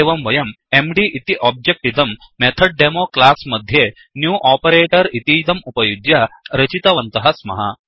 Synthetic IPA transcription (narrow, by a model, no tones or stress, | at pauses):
ʋɐmʋɐjɐm | emɖiʔit̪iʔɔːb̚d͡ʒek̚ʈid̪ɐmː | et̪ʰɐɖ̚ɖemoːklaːsmɐd̪ʱje | njuːʔaːpɐɾeːʈɐɾit̪iːd̪ɐmupɐjud͡ʒjɐɾɐt͡ʃit̪ɐʋɐnt̪ɐɦɐsmɐ̰ɦɐ